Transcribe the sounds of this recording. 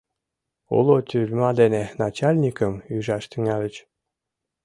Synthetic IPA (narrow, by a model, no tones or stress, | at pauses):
o̰lot̪ʲylʲmɑd̪enenɑt͡ɕalʲnʲikəmyʒɑʃt̪yŋɑlʲə̆t͡ɕ